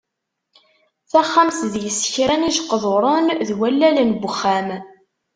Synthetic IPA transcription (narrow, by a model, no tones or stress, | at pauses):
θæχːamθðjəsːə̥çɾæniʃqːəðˤoɾˤʊnðwælːælənbəχːæm